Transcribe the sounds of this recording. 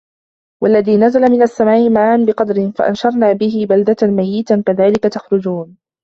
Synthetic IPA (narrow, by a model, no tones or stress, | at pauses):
walːaðiːnazalamɪnasːamaːʔɪmaʕːʔanbɪqɑd̪ɾɪnfa̰ʔa̰nʃɑɾˤnaːbɪɦɪbald̪at̪amajːɪt̪akaðaːlɪkat̪axɾʊd͡ʒuːn